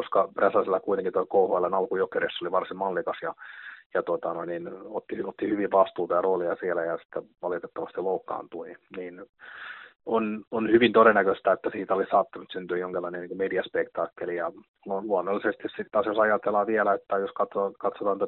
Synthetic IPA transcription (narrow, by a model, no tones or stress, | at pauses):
oskɑpræsɑsilːɑkuit̪eŋkint̪oikouhoelːenɑlkujokeresːoliʋɑrsimmɑlːikɑsjɑjɑt̪ot̪ɑnoininot̪ːihot̪ːihyʋiʋʋɑst̪uːt̪ɑjɑroːliɑsielæjɑsi̥t̪ːæʋɑlit̪et̪ːɑʋɑst̪iloukːɑ̰ːnt̪uliniːn | ononhyʋint̪oɾenːækøst̪æet̪ːæsiːt̪æolisɑːt̪ːɑnut̪synt̪yːjoŋkilːɑˑineniːŋkomediɑspekt̪ɑːkːelijɑkunonluɑnːolːisest̪issit̪t̪ɑːsjosɑjɑt̪elːɑʋiɛlæet̪ːæjoskɑt̪okɑt̪sot̪ɑnt̪æ